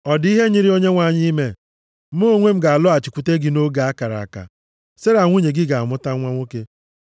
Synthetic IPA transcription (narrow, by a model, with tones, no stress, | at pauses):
ɔ˨di˦ɦe˦ɲi˦ɾi˦o˦ɲe˦ŋʷa˨ɲi˦me˦ | m̩˦o˦ŋʷe˦m̩˦ɡa˨a˨lʊ˦a˨t͡ʃi˨kʷu˦te˦ɡɪ˨no˦ɡa˨a˦ka˨ɾa̰˨a˨ka̰˨ | se˦ɾa˨ŋʷu˦ɲe˨ɡɪ˦ɡa˨a˨mʊ˦ta˦ŋʷa˦ŋʷo˦ke˦